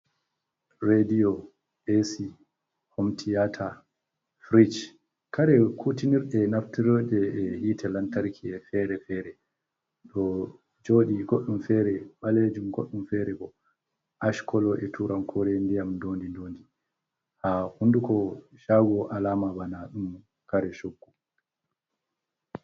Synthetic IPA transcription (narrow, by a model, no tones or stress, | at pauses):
ɾediɔ | ʔesi | hɔmtʰijatʰa | fɾid͡ʒ | kaɾɛkʰutiniɾɗɛnaftiɾɔd͡ʒɛɛhiːtʰɛlantaɾkʰiɛfɛɾɛfɛːɾɛ | ɗɔ | d͡ʒoːɗiɡoɗːumfɛɾɛɓaled͡ʒumɡo̰ɗːumfɛɾɛbɔ | ʔaʃkɔlɔʔɛtuɾamkʰɔɾɛndijamndoːndindoːndi | hahundukɔʃaɡɔʔalaːmabanaɗum | kaɾɛʃoɡːu